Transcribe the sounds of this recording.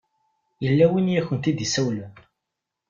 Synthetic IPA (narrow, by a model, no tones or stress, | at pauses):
jəlːæwinjæçənt̪id̪isæwlæn